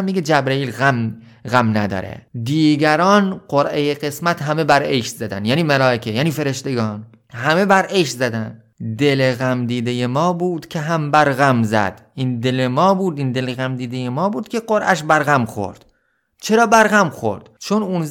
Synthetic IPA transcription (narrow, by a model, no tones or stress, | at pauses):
mːiɡed͡ʒæbɾeiːlɣæm | ɣæmnæd̪ɒ̰ːɾḛd̪iːɡæɾɒːnɢoɾʔejeɣe̞smæt̪ʰɦæme̞bæɾeʃt̪zæd̪æ̰nd̪jæːniːmælɒːekʰejæːniːfe̞ɾeʃt̪e̞ɡɒːn | hæme̞bæɾʔeʃt̪zæd̪ænd̪ | d̪eleɣæmd̪iːd̪ejemɒːbuːd̪̥cʲʰeɦæmbæɾɣæmzæ̰d̪̥ʔind̪elemɒːbuːd̪ind̪e̞leɣæmd̪iːd̪ejemɒːbuːd̪̥kʰʲe̞ɢoɾʔæʃ̬bæɾɣæmxo̞̰ɾd̪̥ | t͡ʃʰe̞ɾɒːbæɾɣæmxo̞̰ɾd̪̥t͡ʃʰonun